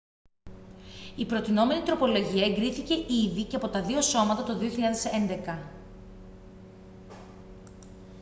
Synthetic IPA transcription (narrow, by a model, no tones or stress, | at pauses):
ipɾo̞t̪ino̞me̞nit̪ɾo̞po̞lo̞ʝiɐeŋɡɾiθice̞ʔiðice̞ɐpo̞t̪ɐðio̞so̞mɐt̪ɐt̪o̞ðio̞çiʎɐðe̞se̞nd̪e̞kɐ